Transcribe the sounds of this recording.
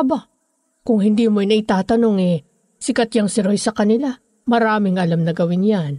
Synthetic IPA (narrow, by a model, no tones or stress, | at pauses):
ɐba | kʊŋhɪnd̪iːmonɐʔɪt̪aːt̪ɐno̞ŋɛ | sɪkɐt̪jɐŋsɪɾojsɐkɐnɪla | mɐɾaːmɪŋʔɐlamnɐɡɐwɪnjan